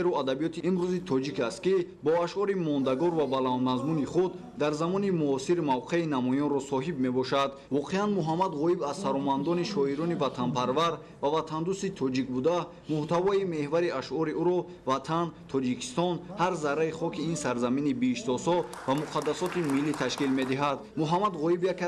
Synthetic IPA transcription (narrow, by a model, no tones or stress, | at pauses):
eɾuad̪abijɔt̪ʰiːmɾuzit̪ʰɔd͡ʒikast̪̚kibɔaʃɔɾimɔnd̪aɡɔɾvabaland̪mazmuniχud̪ːaɾzamɔnimuɔsiɾmavqʰe̞inamɔjɔnɾɔsɔɦibme̞bɔʃad̪vɔqʰeanmuɦamːad̪ʁɔibazsaɾɔmand̪ɔniʃɔiɾɔnivat̪ʰanpʰaɾvaɾ | vavat̪ʰand̪ust̪it̪ʰɔd͡ʒik̚bud̪a | muht̪avɔime̞hvaɾiaʃʔɔɾiuɾɔ | vat̪ʰant̪ʰɔd͡ʒikʰi̥st̪ɔnhaɾzaɾaiχɔkʰiinsaɾzaminibiːʃsɔshɔ | vamuqʰad̪ːasɔt̪imilːit̪ʰaʃkilme̞d̪iɦad̪muɦamad̪ʁɔibjaka